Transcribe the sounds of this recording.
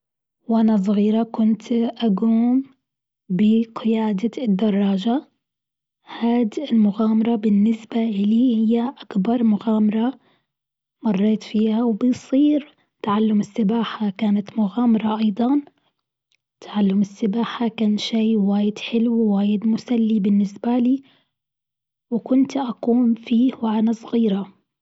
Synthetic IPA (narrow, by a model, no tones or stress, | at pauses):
wʔanas̬ˤɣiːɾakʊnt̪ʔaɡuːm | bɪqɪjaːd̪ad̪ːɑrˤːɑːʒa | haːd̪ɪlmʊɣaːmɑɾˤɑbɪnːɪsbaʔɪlihɪjːaʔakbɑɾˤmʊɣaːmɑɾˤɑ | mɑrˤːeːt̪fiːhawbɪsˤiːɾ | t̪aʕalːʊmɪsːɪbaːħakaːnat̪mʊɣaːmɑɾˤɑʔɑjd̪ˤɑn | t̪aʕalːʊmɪsːɪbaːħakaːnʃiːwaːjɪd̪ħɪlwiwaːjɪd̪mʊsalːibɪnːɪsbaliː | wɪkʊnt̪ʔakuːmfiːwʔanasˤɣiːɾa